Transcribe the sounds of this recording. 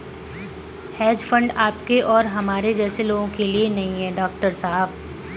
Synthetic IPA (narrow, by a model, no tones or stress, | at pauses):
hɛːd͡ʒfɐ̃ɳɖaːpkeʔɔːɾɦɐmaːɾed͡ʒɛːseloːɡõkelienɐɦĩɦɛːɖɔːkʈəɾsaːɦəb